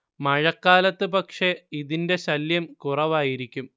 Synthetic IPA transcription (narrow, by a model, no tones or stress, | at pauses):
mɐɻɐkːaːlɐt̪ːɨpɐkʂe̞iðinde̞ɕɐljɐmkurɐʋaːjiɾikʲːum